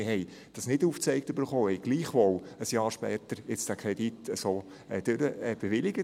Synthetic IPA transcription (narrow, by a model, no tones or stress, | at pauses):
ɪhɛɪ | d̥ɑsnɪduːft͡sɛɪktøbəɾχoːhɛjɡ̥liːχʋoləsjɑːɾʃpɛːt̪əɾjɪt͡sd̥ækʰɾɛd̥itəsoː | ɛd̥øɾəɛb̥eʋɪlɪɡ̥ə